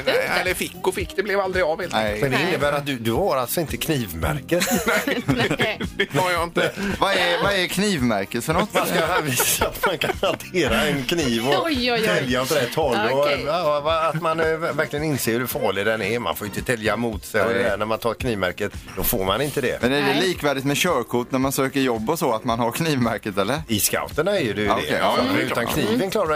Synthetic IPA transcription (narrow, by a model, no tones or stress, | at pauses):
nɛɛlːəɾfɪkːʊfɪkːd̪̥ɛblɛvald̪ɾɪɡɑvheːlʰmɛnd̪ɛɪnːəbæːɾat̪̚d̪ɵd̪ɵhaɾalt̪sɔɪnt̪əkʰniːvmæ̰ɾkət̪ɛ | ajaɪnt̪əvaɛvaɛɾkʰniːvmæɾkət̪fœnɔɔt̪ːmanskahaviːssaːt̪mankʰanant̪ʰeːɾaɛnkʰniːvɔjʰɛljaɔt̪ɾɛt̪ʰɔlːɔ | vaːt̪manævæɾklɪɡənɪnseːɾhʉfɑːɭɪd̪ɛnɛɾma̰nfoːjʏɪnt̪ət̪ʰɛljamuːt̪sɛnæɾmant̪ʰɑːɾkʰniːvmæ̰ɾkət̪d̪̥ɔfoːɾmanɪnt̪əd̪ɛ̰mɛnæɖɛliːkvæːɖɪt̪mɛɕœːɾkʰʊʈ̪næɾmansøːkəɾjɔbːɔsɔat̪manhaɾkʰniːvmæɾkət̪ɛlːəɾɪska̰ʊt̪əɳaɛɾjəd̪ɛjd̪ɛkɛʉt̪ankʰniːvənkʰlɑːɾa